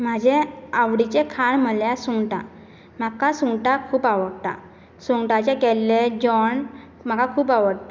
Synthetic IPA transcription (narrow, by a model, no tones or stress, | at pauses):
m̤ad͡ʑeaʋɽit͡ɕekʰaɳməljasuŋɡʈã̰ | m̤akasuŋɡʈakʰuːpaʋəɽt̪a̰ | suŋɡʈat͡ɕekɛlːed͡ʑɔɳ | m̤akakʰuːpaʋəɽt̪a